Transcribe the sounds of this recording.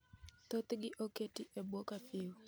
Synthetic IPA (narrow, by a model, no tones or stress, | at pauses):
t̪ot̪ɡɪʔoketiʔebwokapɪw